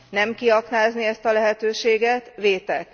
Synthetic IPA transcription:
nɛmkiɒknaːzniɛst̪ɒlɛɦɛt̪øːʃeːɡɛt̪ʋeːt̪ɛk

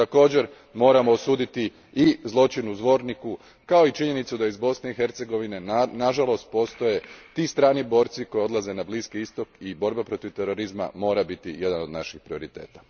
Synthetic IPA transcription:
t̪ako̞ːd͡ʑe̞ɾ | mo̞ːɾamo̞ːsuːd̪it̪i | izlˠo̞t͡ʃinuzʋo̞ːɾniku | kao̞it͡ʃiɲe̞nit̪sud̪aizbo̞sne̞ixe̞ɾt̪se̞ɡo̞ʋine̞naʒalo̞st̪̚po̞ːst̪o̞je̞t̪ist̪ɾaːnibo̞ːɾt̪siko̞jio̞d̪lˠaze̞nabliskiist̪o̞kibo̞ɾbapɾo̞t̪iʋt̪eɾo̞ɾizma̰mo̞ːɾabit̪ije̞d̪anod̪naʃixpɾio̞ɾit̪e̞̰ːt̪ḁ

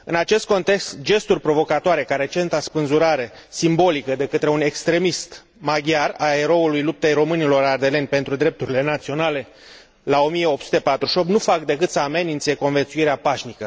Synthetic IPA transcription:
ɨnat͡ʃe̞st̪̚ko̞nt̪e̞kst̪d͡ʒe̞st̪urʲpɾo̞vo̞kat̪oaɾe̞kaɾe̞t͡ʃe̞nt̪aspɨnzuɾaɾe̞simbo̞likəd̪e̞kət̪ɾe̞une̞kst̪ɾe̞mist̪ | maɡʲjarae̞ɾo̞ulujlup̚t̪ejɾo̞mɨnilo̞ɾard̪e̞le̞nʲpe̞nt̪ɾud̪ɾe̞p̚t̪uɾile̞nat̪sio̞nale̞ | lao̞mije̞o̞p̚tsu̥t̪e̞pat̪ɾuʃo̞pt̪nufakd̪e̞kɨt̪səame̞nint̪se̞ko̞nve̞nt̪suiɾeapaʃnikə

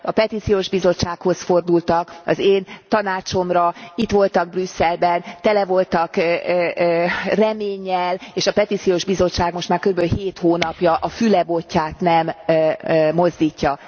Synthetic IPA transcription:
ɒpɛt̪it̪sijoːʒbizo̞t͡ʃːaːkho̞sfo̞rd̪ult̪ɒkɒ̰zeːnt̪ɒnaːt͡ʃo̞mrɒit̪ʋo̞lt̪ɒɡ̚brysːɛlbɛnt̪ɛlɛvo̞lt̪ɒk | rɛmeːɲːɛleːʃɒpɛt̪iːt̪sijoːʒbizo̞t͡ʃːaːɡmo̞ʃt̪maːrkøɾybɛløɦeːt̪hoːnɒpjɒʔɒfylɛbo̞cːaːt̪nɛmː | o̞zd̪iːcːɒ

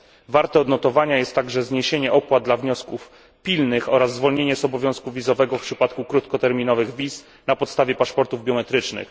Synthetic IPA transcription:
vaɾt̪ɛɔd̪nɔt̪ɔvaɲajɛst̪ːaɡʐɛzɲeɕeɲɛʔɔpwad̪d̪lavɲɔskuf | pʲilnɘxɔɾazːvɔlɲeɲɛzɔbɔvʲjɔ̃w̃skuvʲizɔvɛɡɔfpʂɘpat̪kukɾut̪kɔt̪ɛɾmʲinɔvɘɣvʲis | napɔt̪st̪avʲjɛpaʂpɔɾt̪uvbʲjɔmɛt̪ɾɘt͡ʂnɘ̰x

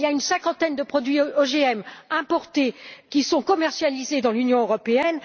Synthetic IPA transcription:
ljaynsɛ̃kɑ̃t̪ɛnd̪əpχɔd̪ɥioʒeɛmɛ̃pɔʁt̪ekʲisɔ̃kɔmɛʁsjalized̪ɑ̃lynjɔ̃øʁɔpeɛn

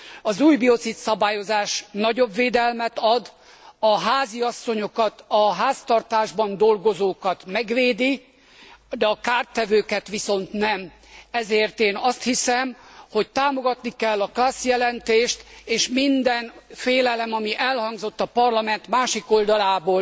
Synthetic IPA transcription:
ɒzuːjbio̞t̪sit̪sɒbaːjo̞zaːʃnɒɟo̞bveːd̪ɛlmɛt̪ɒd̪ | ɒɦaːziɒsːo̞ɲo̞kɒt̪ɒɦaːst̪ɒrt̪aːʒbɒnd̪o̞lɡo̞zoːkɒt̪mɛɡʋeːd̪i | d̪ɛɒkaːrt̪ːɛvøːkɛt̪ʋiso̞nt̪nɛm | ɛzeːrt̪eːnɒst̪hisɛmho̞ct̪aːmo̞ɡɒt̪nikɛlːɒklaːsjɛlɛnt̪eːʃt̪eːʃmind̪ɛnfeːlɛlɛmɒmiʔɛlhɒŋɡzo̞t̪ːɒpɒrlɒmɛnt̪maːʃiko̞ld̪ɒlaːboː

